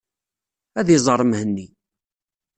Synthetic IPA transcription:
æðizˤəɾˤəmhənːi

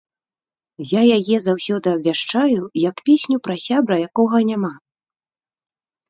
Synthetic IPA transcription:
jajajɛzawsʲɔd̪ɨɐbʲvʲaʂt͡ʂajujɐkpʲesʲnʲupɾɐsʲabɾɐjakɔɣɐnʲama

